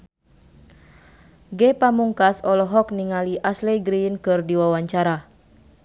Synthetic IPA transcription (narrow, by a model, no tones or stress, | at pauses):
ɡepamuŋkasɔlɔɦɔkniŋaliʔasleɡɾiinkɨrdiwawaɲt͡ʃaɾa